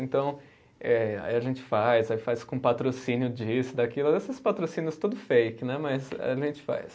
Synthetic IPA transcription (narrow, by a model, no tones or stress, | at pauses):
ẽnt̪ɐ̃w̃ | ɛa̰iɐʒẽnt͡ʃɪ̥fajzaifajskõũpat̪ɾosĩnjʊd͡ʒisʊd̪akilʊesɪspat̪ɾosinjʊst̪ud̪ʊfejkɪnɛmɐjza̰iɐʒẽnt͡ʃɪ̥fa̰js